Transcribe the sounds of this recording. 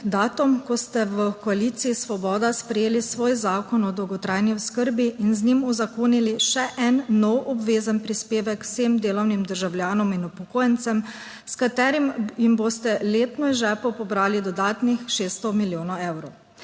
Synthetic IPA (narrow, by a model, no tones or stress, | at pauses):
d̪aːt̪ɔmkɔst̪ɛʋəkɔaliːt̪siːsʋɔbɔːd̪aspɾɛjeːlisʋoːjzaːkɔnɔd̪ɔwɡɔt̪ɾajniuskəɾbiːnznimuzakoːniliʃɛʔɛnːɔwɔbʋeːzənpɾispeːʋɛkseːmd̪eːlɔwnimd̪əɾʒawlʲjaːnɔminupɔkoːjənt̪sɛm | skat̪ɛːɾimjimboːst̪ɛleːt̪nɔiʒɛːpɔpɔbɾaːlid̪ɔd̪aːt̪nixʃeːst̪ɔmiljoːnɔɛwɾɔw